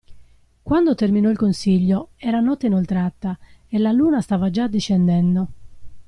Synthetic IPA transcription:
kwand̪ot̪erminɔilkonsiʎːoɛːɾanɔt̪ːeinɔlt̪ɾat̪ːaelaluːnast̪aːvad͡ʒad̪ːiʃɛnd̪ɛnd̪o

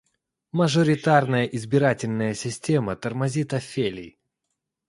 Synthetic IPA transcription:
məʐəɾʲɪt̪arnəjəʔɪzbʲɪɾatʲɪlʲnəjəsʲɪsʲtʲe̞mət̪ərmɐzʲit̪ɐfʲelʲɪj

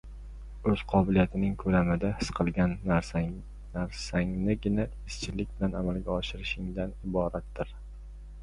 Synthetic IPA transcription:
ɵz̥qʰɒbɪlijat̪ʰɪnɪŋkʰɵlamɪd̪ahɪsqʰɨlˠɡʲan | naɾsaŋnɪɡʲɪna | ɪst͡ʃʰɪlɪk̚ʲbɪlanamalˠɡʲaɒʃɪɾɪʃɪŋd̪anɪbɒɾat̪ːɪɾ

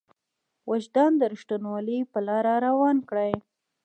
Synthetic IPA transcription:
wʔad͡ʒd̪ɑnd̪əɾɪʃʈ̪unwɑlipəlɑɾaɾawɑnkɽaj

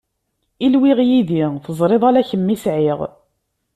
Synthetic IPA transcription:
ilwɪʁjiðiθəzˤɾˤeðˤalæçəmːisʕɪʁ

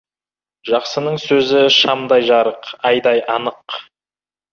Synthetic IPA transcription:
ʒɑqsənəɴsɵzɪʃɑmd̪ɑjʒɑɾəqɑjd̪ɑjʔɑnəq

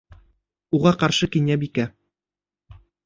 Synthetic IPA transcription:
uʁɑqɑɾʃɤkinʲæbikæ

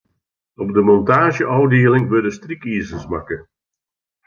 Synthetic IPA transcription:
ɔb̚dəmɔntaːʒəʔɔwdeːəlɪŋʋɪdəstrikiːzənsmakə

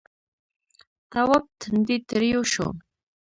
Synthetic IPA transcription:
t̪awap̚t̪ʰnd̪it̪ɾijuʃo̰

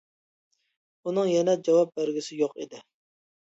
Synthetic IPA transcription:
unɨŋjɛnɛd͡ʒɑwɑp̚bæɾɡʲɪsɪjoqḭd̪ɪ

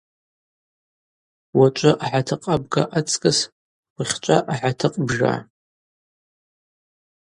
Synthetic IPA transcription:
wat͡ʃʷʼʊʔaħatʰɨqʼab̚ɡaʔat͡sʰʼkʼɨs | wiχʲt͡ʃʷʼaʔaħatʰɨqʼbʒa̰

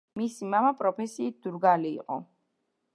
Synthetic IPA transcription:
misimamapʼɾɔpʰɛsiːt̪̚d̪̥uɾɡalḭːqʼɔ̰

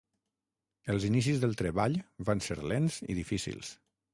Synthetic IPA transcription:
əlˠzinis̬izðəlˠt̪ɾəβaʎβanseɾlenzḭðifisḭlˠs

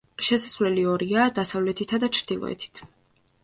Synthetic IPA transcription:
ʃɛsasvlɛliɔɾiad̪asavlɛt̪ʰit̪ʰad̪at͡ʃʰɾd̪̥ilˠɔ̰ɛ̰t̪ʰi̥t̪ʰ

